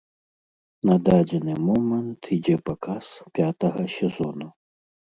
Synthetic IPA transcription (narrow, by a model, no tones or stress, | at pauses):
nɐd̪ad͡zʲɛnɨmɔmɐnt̪ʰid͡zʲɛpakaspʲat̪ɐɣɐsʲɛzɔnu